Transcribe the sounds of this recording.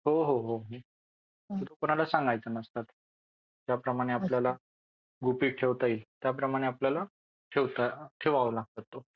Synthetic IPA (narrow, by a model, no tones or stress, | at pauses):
ɦoɦoɦoɦo | t̪ət̪okoɽ̃alasãŋɡajt͡sanəst̪at̪ | d͡ʑjapɾəmaɽ̃eapljala | ɡupiːʈʰeʋt̪ailt̪japɾəmaɽ̃eapljala | ʈʰeʋt̪aʈʰeʋaʋlaɡ̚t̪at̪ːo